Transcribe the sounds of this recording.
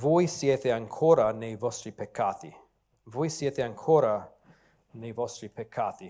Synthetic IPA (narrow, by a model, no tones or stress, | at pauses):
vojsjet̪eaŋkʰoːɾanejvɔst̪ɾipekʰːaːt̪ḭ | vojsjet̪eaŋkʰoːɾa | nejvɔst̪ɾipekʰːaːt̪i